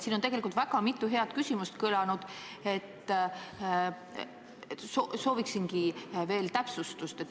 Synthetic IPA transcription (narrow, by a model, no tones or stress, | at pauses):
siːnot̪eɡelikult̪væɡ̥ɑmit̪ːˑuɦe̞ɑt̪kysʲimust̪kɯlɑnud̪̥ | e̞t̪ː | soso̞ːviksinɡive̞ːlt̪æpsust̪ust̪et̪ː